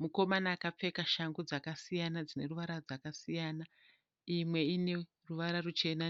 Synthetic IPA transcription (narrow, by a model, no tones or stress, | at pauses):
muko̞manaːkap͡fe̞kaʃaŋɡud͡zakasijanad͡zine̞ruʋaɾard͡zakasijaːna | imwe̞ine̞ | ruʋaɾarut͡ʃe̞na